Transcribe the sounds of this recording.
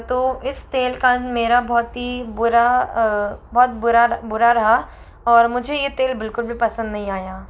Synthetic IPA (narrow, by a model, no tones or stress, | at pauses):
t̪oːɪst̪eːlkãnmeːɾabɔːt̪ɦibʊɾa | bɔːt̪̚bʊɾabʊɾaɾɐɦa | ɔːɾmʊd͡ʒʱejet̪eːlbɪlkʊlbʱipɐsə̃nd̪nɐɦĩaːjaː